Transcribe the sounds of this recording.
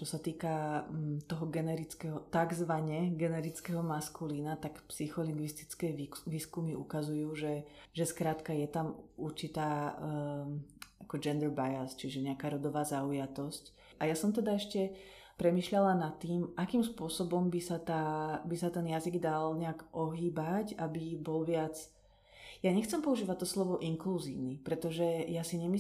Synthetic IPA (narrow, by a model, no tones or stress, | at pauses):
t͡ʃɔsat̪iːkat̪ɔɦɔɡɛnɛɾit͡skɛɦɔt̪aɡzʋaɲɛɡɛnɛɾit͡skɛɦɔmaskulinat̪akpsixɔliŋɡʋist̪i̥t͡skɛjʋiːskumiukazujuːʒɛʒɛskɾaːt̪kajɛt̪amuɾt͡ʃit̪aː | akɔd͡ʒɛnd̪ɛɾbajast͡ʃiʒɛɲɛakaːɾɔd̪ɔʋaːzaujat̪ɔsc | ʔajasɔmt̪ɛd̪aɛʃcɛ | pɾɛmiːʃʎalanat̪ːiːmʔakiːmspʊɔsɔbɔmbisat̪aːbisat̪ɛnjaziɡd̪alɲɛakʔɔɦiːbacabibɔlʋɪat͡s | jaɲɛxt͡sɛmpɔuʒiːʋac̚t̪ːɔslɔʋɔʔiŋkluzḭːʊnipɾɛt̪ɔʒɛjasiɲɛmi